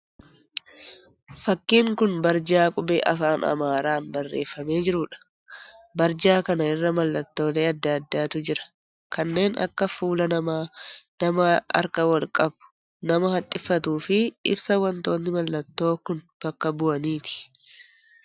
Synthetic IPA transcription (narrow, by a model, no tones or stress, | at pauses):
fɐkːiːŋkʊnbɐɾd͡ʒaːkʼʊbeːʔɐfaːnʔɐ̰maːɾaːnbɐrːe̞̰ːfːɐme̞ːd͡ʒɪɾʊᶑɐ̥ | bɐɾd͡ʒaːkɐnɐɪrːɐmɐlːɐt̪ːo̞ːle̞ːɐd̪ːɐd̪ːaːt̪ʊd͡ʒɪɾɐ̥ | kɐnːe̞ːnʔɐ̰kːɐfuːlɐnɐ | nɐmɐɐ̰ɾkɐwɐlkʼɐbʊ̥ | nɐmɐhɐt̪ʼːɪfːɐt̪uːfɪɪ̰bsɐwɐnt̪o̞ːnːɪmɐlːɐt̪ːo̞ːkʊn | b̥ɐkːɐbʊɐniːt̪ɪ̥